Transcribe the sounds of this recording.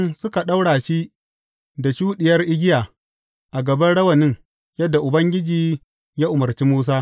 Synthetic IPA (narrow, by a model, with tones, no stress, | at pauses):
nsʊ˦ka˨ɗa˦wɽaː˨ʃi˦ | da˨ʃuː˦ɗɪ˨jɐ˦rʔɪ˦ɡʲɪ˦jaː˨ | ʔa˨ɡɐ˨bɐ˦ɽɐ˦wɐ˨nɪ˦ŋ | jɐ˦dːa˨ʔʊ˨bɐ˦ŋɡʲɪ˦d͡ʒiː˨ | jaː˦ʔʊ˨mɐ˨rt͡ʃi˦muː˦s̬aː˦